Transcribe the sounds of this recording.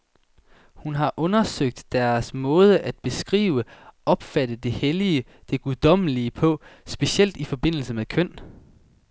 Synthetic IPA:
hunɦɑ̈ʔɔ̽nɐsøɡ̥̚d̥ːæɐsmɔ̽ːð̞ˠəʔæd̥̚b̥e̝sɡ̥ʁḭːʊəɒ̽b̥fæd̥əd̥e̝heliə | d̥e̝ɡ̥uðˠd̥ɒ̽m̰liəpʰɒ̽sb̥e̝sel̰d̥ifɒ̽b̥e̝n̰l̩səmeðˠkʰœn̰

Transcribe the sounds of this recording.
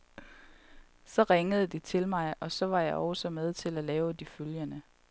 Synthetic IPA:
sɒ̽ʁeŋəð̞ˠəd̥it͡sʰe̝lmɑ̈ɪɒ̽sɒ̽ʋɑ̈jɑ̈ɪʔɒʊsɒ̽með̞ˠt͡sʰe̝lælɛːʊd̥iføljənə

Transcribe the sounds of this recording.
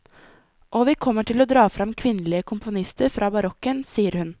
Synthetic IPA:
ʔoːʋiːkʰɔmːəʈʰɪloːd̪ɾɑːfɾɑmkʰʋɪnːəlɪəkʰʊmpʊnɪst̪əɾfɾʔɑːbɑɾɔkənsiːəɾhʉn

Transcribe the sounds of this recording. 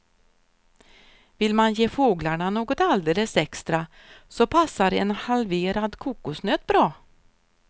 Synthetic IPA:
vɪlmanjeːfoːɡlaɳanoːɡɔt̪ald̪eːləsɛkst̪ɾa | sɔpʰasːaɾɛːnhalveːɾad̪kʰuːkʊsnøːt̪bɾɑː

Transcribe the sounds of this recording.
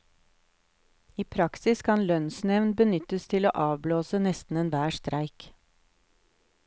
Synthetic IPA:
iːpʰɾɑksɪskʰɑnlœnsnɛʋnbənʏt̪əst̪ʰɪlo̰ːʔɑːʋbloːsənɛst̪n̩eːnʋæːʃt̪ɾʔæɪk

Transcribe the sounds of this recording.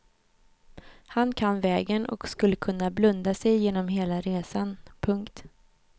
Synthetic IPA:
hankʰanvɛːɡənɔ̰kskɵlːəkʰɵnːablɵnd̪asɛjːeːnɔmɦeːlaɾeːsanpʰɵŋkt̪

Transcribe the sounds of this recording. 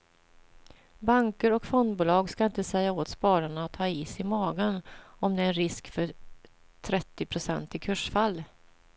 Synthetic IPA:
baŋkəɾɔkfɔnd̪buːlɑːɡskaɪnt̪əsɛjːaoːt̪spɑːɾaɳat̪ʰːɑːiːsɪmɑːɡənɔmd̪ɛɛɾɪskfœɾ | t̪ʰɾɛt̪ːɪpʰɾʊsɛnt̪ɪkʰɵʂfalː

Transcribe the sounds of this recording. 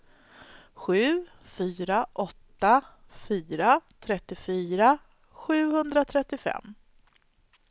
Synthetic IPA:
ɧʉ̟ː | fyːɾaʔɔt̪ːafyːɾat̪ʰɾɛt̪ːɪfyːɾa | ɧʉ̟ːhɵnd̪ɾat̪ʰɾɛt̪ːɪfɛ̰mː

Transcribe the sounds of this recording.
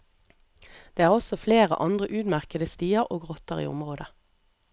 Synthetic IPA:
d̪̥eːæːʁɔsɔfleːʁə̰ʔɑnd̪ʁəʔʉːd̪mæʁkəd̪əst̪iːəʁoːɡʁɔt̪əʁḭːʊ̰mʁoːd̪ə

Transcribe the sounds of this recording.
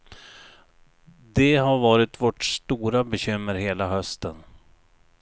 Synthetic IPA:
d̪ɛɦaɾvɑːɾɪt̪vɔʈʂt̪uːɾabɛɕʏmːəɾɦeːlaɦœst̪ən

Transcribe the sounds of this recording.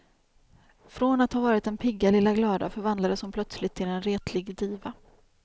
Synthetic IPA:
fɾɔnat̪haːvɑːɾɪt̪ɛnpʰɪɡːalɪlːaɡlɑːd̪a̰fœɾvand̪lad̪əsɔmpʰlœt̪slɪt̪ʰːɪlɛnɾeːt̪ʰlɪɡd̪iːva

